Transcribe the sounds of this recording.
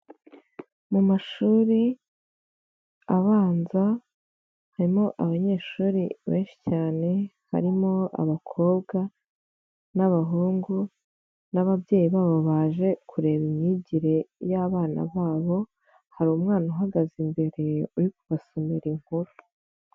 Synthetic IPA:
mumaʃuːɾi | aβaːnza | haɾimo̞ʔaβaɲe̞ːʃuːɾiβe̞ːnʃi̥caːne̞ | ha̰ɾimo̞a̰βakʰo̞ːbɡa | naβaɦuːŋɡu | naβabje̞ːjiβaːβo̞βaːʒe̞kʰuɾe̞βimiɟiɾe̞jaβaːna̰βaːβo̞ | haɾumŋaːnaɦaɡazimbe̞ɾe̞uɾik̚uβasomeɾiŋ̥huɾu

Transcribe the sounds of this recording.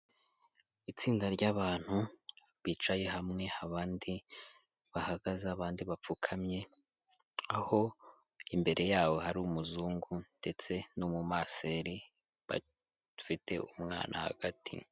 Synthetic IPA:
it͡siːndaɾɟaβaːn̥huβiːt͡ʃaje̞ɦamŋe̞aβaːndi | βahaɡ̥azaβaːndiβap͡fukʰamɲe̞ | aho̞ | imbe̞ɾʔe̞jaːwo̞haɾumuzuːŋɡunde̞t͡se̞numumaːseɾi | βa̰ | fite̞̰umŋa̰ːnʔa̰ha̰ɡ̥atḭ

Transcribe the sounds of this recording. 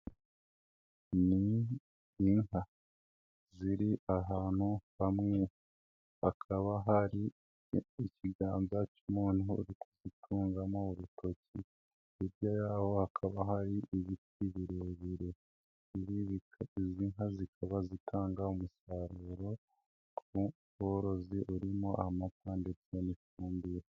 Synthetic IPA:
niː | ŋha | ziɾiʔaɦaːn̥huβamŋe̞ | akʰaβaɦaɾiː | ciɡaːnzacumuːnuuɾikʰozitʰuːŋɡamouɾuto̞ci | iɾjajaːho̞hakʰaβahaɾiiβitiβiɾioβiɾe | iβiβiziŋɦazikʰaβazitʰaːŋɡaumusaɾeɾo̞ | u | βoɾo̞ziʔuɾimoa̰hmatandet͡senifuːmbiɾa

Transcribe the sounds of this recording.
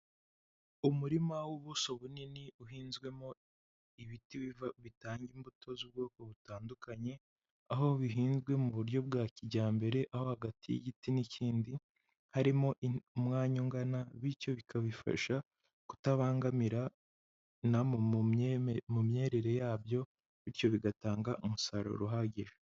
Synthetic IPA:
umuɾimawuβuso̞βuniniuɦiːnzɡwe̞mo | iβitiivβitaːɲɟimbutʰo̞zub̚ɡo̞ːko̞βutaːndukʰaɲe̞ | aɦo̞βiɦiːnzɡwe̞muβuɾjo̞b̚ɡaːciɟaːmbe̞ɾe̞ʔaho̞haɡatʰijḭɟitiniciːndi | haɾimo̞ʔiumŋaːɲoŋɡanaβiɾco̞βikʰaβifa̰ʃa | ku̥taβaːŋɡamiɾa | na | mumɲe̞ːɾe̞ɾe̞jaːbjo̞ | βiɾco̞βiɡataːŋɡaʔumusaɾo̰ɾuɦaɟeɾe

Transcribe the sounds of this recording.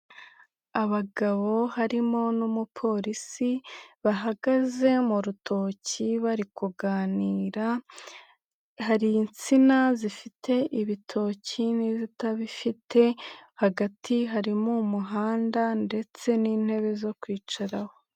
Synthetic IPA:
aβaɡaβo̞haɾimo̞numupʰo̞ɾisiβaɦaɡaze̞muɾutʰo̞ːciβaɾikuɡaːniːɾa | haɾint͡sinazifitʰe̞ʔiβitʰo̞cinizitaβifitʰe̞haɡatʰiɦaɾimumuɦaːndande̞t͡se̞niːn̥he̞βe̞zo̞kwiːt͡ʃaɾaho̞

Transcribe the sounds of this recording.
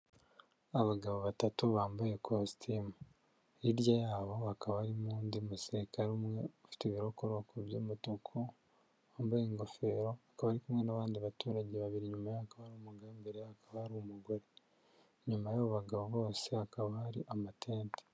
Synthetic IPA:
aβaɡaβoβatatuβaːmbajekʰostʰimu | iɾɟajaːβo̞akaβaɾimuːndimusekaɾumŋe̞ufi̥teβiɾo̞koɾokʰoβjoːmutokʰo | aːmbajeŋɡo̞fe̞ːɾo̞akaβaɾikumŋe̞naβaːndiβatuːɾaɟeβaβiɾiɲumajoakaβaɾumuɡaːmbeɾeakaβahaɾumuɡoɾe | ɲumajoβuβaɡaβoβo̞ːse̞akaβahaɾiʔamatʰeːnte̥

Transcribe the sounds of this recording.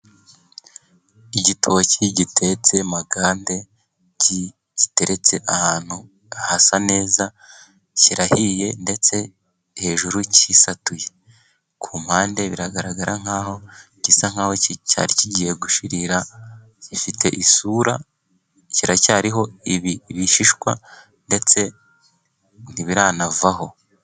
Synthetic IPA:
iɟitʰoβociɟitʰe̞t͡se̞maɡaːnde̞ | ɟi | ɟ̥ite̞ɾe̞t͡se̞ʔahaːn̥hu | ahasane̞ːza | ciɾahije̞nde̞t͡se̞ | he̞ʒuɾucisatuje̞ | kʰuːmhaːnde̞βiɾaɡaɾaɡaɾʔaŋ̥aːɦo̞ | cisaŋ̥haːwo̞cca̰ːɾiciɟiːje̞ɡuʃiɾiɾa | cifitʰe̞̰ʔisuːɾa̰ | ciɾacaːɾiɦo̞iβiβiʃiʃkwa̰ | nde̞t͡se̞ | n̥iβiɾanavaho̞

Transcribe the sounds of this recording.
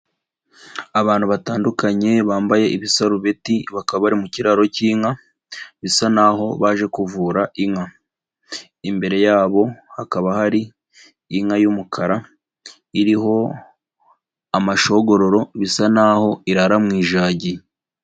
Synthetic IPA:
aβaːn̥huβataːndukaɲe̞βaːmbaje̞ʔiβisaɾuβe̞tiβakaβaβaɾimuciɾaɾo̞ciːŋa | βisanaɦo̞βaʒe̞kuvuːɾaʔiŋa | imbe̞ɾe̞jaːβo̞hakaβahaɾiː | ŋajumukʰaɾa | iɾiɦo̞ | amaʃo̞ɡo̞ɾo̞ɾo̞βisanaho̞iɾaɾamŋiːʒaːɟi

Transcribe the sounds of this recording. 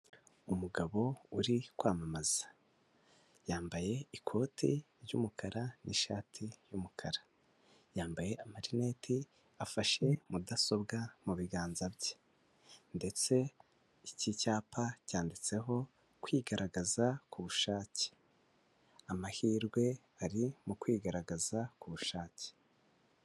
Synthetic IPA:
umuɡaβo̞uɾikwaːmamaz̥ḁ | jaːmbaje̞ikʰo̞ːtʰiɾɟṵmukʰaɾanʔiʃaːtʰijumukʰaɾa | jaːmbaje̞ʔamaɾine̞tʰi | afaʃe̞mudaso̞bɡamuβiɡaːnzabje | nde̞t͡se̞ | icicaːpʰacaːndit͡se̞ɦo̞ | kwiɡaɾaɡazakuβuʃaːce̥ | amahiːɾɡwe̞ | aɾimukwiːɡaɾaɡazakuβuʃaːce̥

